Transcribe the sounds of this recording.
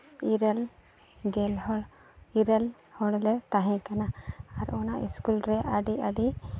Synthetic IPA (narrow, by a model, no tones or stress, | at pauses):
iɾɛl | ɡɛlɔɽ | iɾɛl | hɔɽlɛt̪aɦɛ̃kanaːɾɔnaʔḭskulɾɛʔaɖiʔaɖi